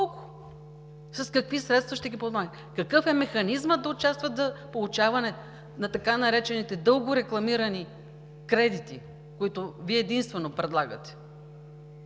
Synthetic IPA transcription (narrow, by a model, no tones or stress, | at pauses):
kʊ̥ | sɐskɐkvisɾɛt̪st̪vɐʃt̪ɛɡʲipozma | kɐkɤfɛmɛxɐnizməd̪ɐʊt͡ʃast̪vət̪zɐpolˠut͡ʃavɐnɛ | nɐt̪ɐkanɐɾɛt͡ʃɛnit̪ɛd̪ɤlˠɡʊɾɛklˠɐmiɾɐni | kɾɛd̪it̪i | koit̪ʊviɛːd̪inst̪vɛnopɾɛd̪lˠaɡɐ̰t̪ɛ̥